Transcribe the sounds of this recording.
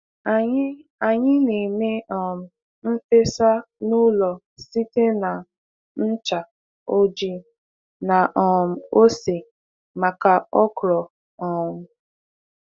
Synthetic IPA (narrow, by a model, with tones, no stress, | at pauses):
a˨˦a˨ɲɪ˦ne˨me˦ɔ˨m̩˨ | m̩˦fe˦sa˦ | nu˦lɔ˨ | si˦te˦na˨ | n̩˦t͡ʃa˨ | o˦d͡ʒi˦ | na˨ʔɔ˨m̩˨o˦se˨ | ma˨ka˨ɔ˦kʊ˨ɾɔ˨ | ɔ˨m̩˨